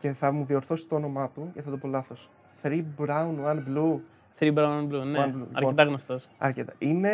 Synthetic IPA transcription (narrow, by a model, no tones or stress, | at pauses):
ce̞θɐmuðio̞ɾθo̞si̥t̪oono̞mɐt̪uce̞θɐt̪opo̞lɐθo̞s | θɾibɾɐunwɐnblu | θɾibɾɐũnwɐbluneɐnbluɐ̰ɾket̪ɐɣnost̪ɐsɐ̰ɾcet̪ɐine